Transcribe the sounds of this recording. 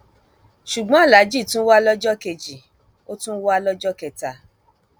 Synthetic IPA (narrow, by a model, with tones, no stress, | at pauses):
ʃu˨ɡ͡bɔ̃˦a˦˨la˨˦d͡ʒi˦˨tũ˦wa˦lɔ˦d͡ʒɔ˦ke˨d͡ʒi˨ | o˦tũ˦wa˦lɔ˦d͡ʒɔ˦kɛ˨ta˨